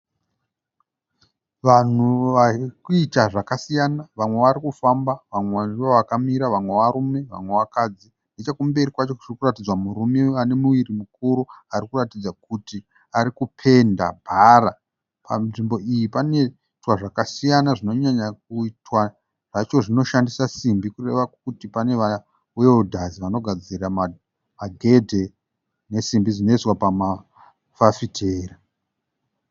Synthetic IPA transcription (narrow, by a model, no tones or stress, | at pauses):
ʋan̤uʋakuitaʐakasijanaʋamwe̞ʋaɾikufambaʋamweoʋakamiɾaʋamwe̞ʋaɾume̞ʋa̰mwe̞ʋakad͡zi | ndet͡ʃakumbe̞ɾikwat͡ʃo̞ʐirikuratid͡zwamuɾumeane̞muʋirimukuɾuaɾikuratid͡zakuti | aɾikupʰe̞nda̰bʱara | pa̰ʐimbo̞ijipane̞ | twaʐakasijanaʐino̞ɲaɲak̚uitwa | ʐ̥at͡ʃo̞ʐino̞ʃandisasimbikure̞ʋakutipane̞ʋa | ujeudʱaziʋano̞ɡʱad͡zirama | maɡʱe̞dʱe̞ | ne̞simbid͡zino̞iswapama | fafitʰe̞ːra